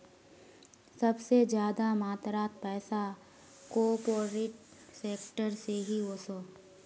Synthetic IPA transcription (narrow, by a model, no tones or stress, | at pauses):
sɐbsed͡ʒjaːd̪amaːt̪ɾaːt̪pɛːsa | koːpoːɾɪʈseːkʈəɾseɦioːsoː